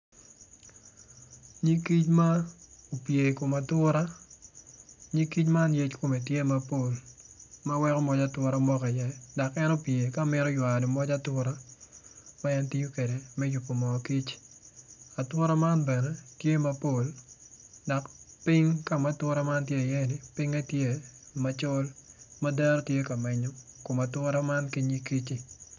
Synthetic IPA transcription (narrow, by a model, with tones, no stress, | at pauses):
ɲi˦ki˦t͡ʃma˦o˨pje˨ko˨ma˨twʊ˦ɾa˦ | ɲi˦ki˦t͡ʃma˦nje˦t͡ʃko˨me˨tje˦ma˦po˦˨lma˦wɛ˦kɔ˦mɔ˦d͡ʒa˦twʊ˦ɾa˦mɔ˦ka˨jɛ˦da˨kɛ˦no˦pje˨ka˦˨mɪ˦ɾɔ˦jwa˨do˨mɔ˦d͡ʒa˦twʊ˦ɾa˦ | ma˦ɛ˦nti˦jo˦ke˨de˨mɛ˦ju˨pːo˨mɔ˨ki˦t͡ʃ | a˨twɔ˦ɾa˦ma˦nbɛ˨nɛ˦tje˦ma˦po˦l | da˨kpɪ˦ŋka˦˨ma˦twɔ˦ɾa˦ma˦ntje˦˨jɛ˦nɪ˨pɪ˦ŋa˦tje˦ma˦t͡ʃɔ˦lma˦dɛ˦ɾtje˦ka˨mɛ˨ɲo˦ko˨ma˨twɔ˦ɾa˦ma˦nki˦ɲi˦ki˦t͡ʃi˦